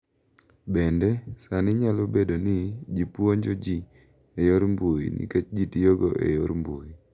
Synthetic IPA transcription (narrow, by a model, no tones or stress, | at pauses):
bendɛsanɪɲalobedonɪd͡ʒipwoɲd͡ʒod͡ʒi | ejoɾmbujḭnʔḭket͡ʃd͡ʒitijoɡoʔḛjoɾmbui